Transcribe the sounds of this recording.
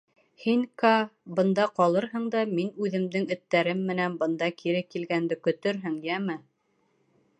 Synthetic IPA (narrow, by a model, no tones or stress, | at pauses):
hiŋkɑbɤ̆nd̪ɑqɒlˠɤɾɦɤɴd̪ɑminʉðɘ̆md̪ɘŋɵ̆t̪ːæɾɘmːɘ̆nænbɤ̆nd̪ɑkʰiɾɘkilɡænd̪ɘkɵ̆t̪ɵɾɦɘŋjæmɘ